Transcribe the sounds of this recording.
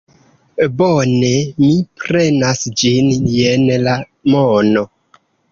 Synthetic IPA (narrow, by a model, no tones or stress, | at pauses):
bonemipɾe̞nasd͡ʒinjenla | mono